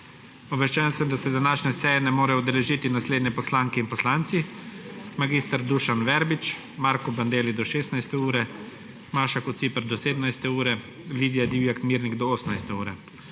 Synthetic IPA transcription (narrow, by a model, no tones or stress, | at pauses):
ɔʋɛʃt͡ʃɛnsəmd̪asɛd̪anaːʃnɛsɛːjɛnɛmoːɾɛɔd̪ɛlɛʒiːt̪inasleːd̪nʲɛpɔslaːŋkɛinpɔslaːnt̪si | maɡiːst̪aɾd̪uʃanʋɛɾbit͡ʃ | maːɾkuband̪eːlid̪ɔʃeːst̪najst̪ɛuːɾɛ | maːʃakɔt̪sipɛɾd̪ɔseːd̪əmnajst̪ɛuːɾɛ | liːd̪ijad̪iwjakmiːɾniɡd̪ɔoːsnajst̪ɛuːɾɛ